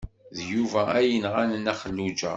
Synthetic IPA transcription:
ðjuvææjənʁænənæχəlːud͡ʒæ̰

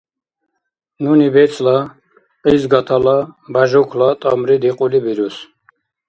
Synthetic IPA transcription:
nunibɛt͡sʼla | qʼizɡat̪ʰalabaʒɔkʰlat̪ʼamɾid̪iqʼulibiɾus

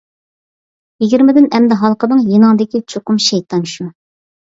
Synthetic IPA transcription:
jiɡʲiɾmɪd̪ɪnɛmd̪ɛɦɑlˠqənɨŋjinɑŋd̪ɪkʲit͡ʃʰoqʊmʃɛjt̪ʰɑnʃu

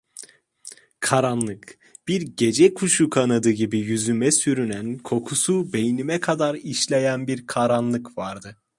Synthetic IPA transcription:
kʰaɾanlˠɯk | b̥iɾɟe̞d͡ʒɛkʰuʃukʰanad̪ɯɟibijyzymɛsyɾynænkʰo̞kʰusube̞jinimɛkʰad̪aɾiʃlʲe̞jænbiɾkʰaɾanlˠɯkvaɾd̪ɯ

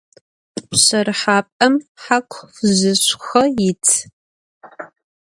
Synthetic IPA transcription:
pɕɐrħaːpʼɐmħakʷʰfzɨɕʷxɐjɪt͡sʰ

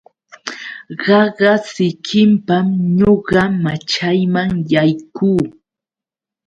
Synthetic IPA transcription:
ɢɑɢɑsɪkʰɪmpamɲoɢɑmat͡ʃajmaŋjajkuː

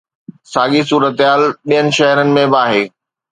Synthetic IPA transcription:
saːɠisuːɾət̪ɪɦaːlɗijənɪ̆ʃɛɦɾənɪ̆mẽbaːɦeː

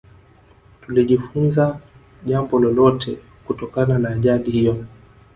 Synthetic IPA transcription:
tuliʄifunza | ʄambɔlɔlɔtʰɛ | kutɔkananaːʄaɗihijɔ

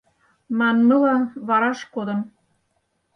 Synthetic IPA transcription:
mɑnmɤlɑβɑɾɑʃkod̪ə̆m

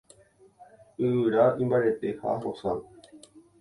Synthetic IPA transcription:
ɨɨɾaĩmbaɾe̞t̪e̞ha̰ɦosan

